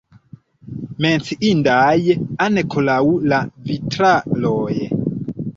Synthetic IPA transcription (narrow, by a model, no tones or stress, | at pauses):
ment͡siʔindajanekʰolaulavitɾaloje